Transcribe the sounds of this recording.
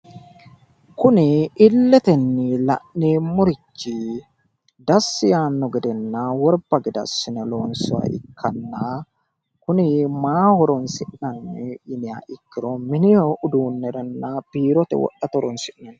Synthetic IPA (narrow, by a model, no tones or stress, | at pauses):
kʊnɪɪlːɛt̪ɛnːɪlɐ̰ʔneːmːʊɾɪt͡ʃːɪ | d̪ɐsːɪjaːnːɔɡɛd̪ɛnːaːwɔɾb̥ɐɡɛd̪ɐ̰sːɪnɛloːnsɔwɐ̰ʔɪ̰kʰːɐnːaː | kʊnɪmaːhɔɾɔnsɪʔnɐnːɪʔɪnɪja̰ːʔɪkːɪɾomɪnɪʊd̪uːnːɛɾɐnːabiːɾɔt̪ɛ̰wɔ̰ʔɐt̪ɔɾɔnsɪʔnɐnː